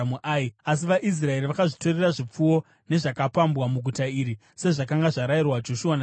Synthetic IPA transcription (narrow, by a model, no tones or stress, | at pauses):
muʔaias̬iʋaʔis̬rae̞ɾiʋakaʐito̞reraʐip͡fuwo̞ | ne̞ʐakapambwamuɡʱutaiɾi | se̞ʐakaŋɡaʐaɾairwad͡ʒo̞ʃuwana